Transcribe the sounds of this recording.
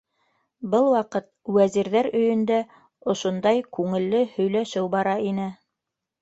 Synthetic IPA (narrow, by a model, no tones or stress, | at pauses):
bɤlˠwɑqɤt̪̚wæziɾðæɾɵ̆jɵ̆nd̪æ | ŏʃŏnd̪ɑjkʉŋɘ̆lːɘhɵ̆jlæʃɘwbɑɾɑinɘ